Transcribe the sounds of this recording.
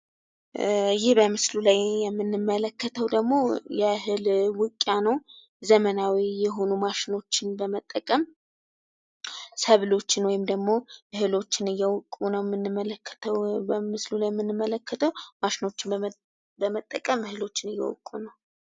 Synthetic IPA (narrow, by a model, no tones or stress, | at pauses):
jɪhbəmɨslulajjɛmːɨnːɨmːələkːət̪ʰəwd̪əɡmo̞jɛɦɨlwʊkʼːjanəw | zəmənawijɛɦo̞numaʃɪno̞t͡ʃːɪnbəmət̪ʼːəkʼəm | səβlo̞t͡ʃːɪnwɔjɪmd̪əɡmo̞ɨhɨlo̞t͡ʃːɪnɨjːɛwɔkʼunəwjmːɨnːɨmːələkːə̥t̪ʰəwbəmɨslulajɛmːɨnːɨmːələkʰːət̪ʰəwmaʃɪno̞t͡ʃːɪn | bəmət̪ʼːəkʼəmɨhɨlo̞t͡ʃːɪnɨjːɛ̰wɔ̰kʼːunəw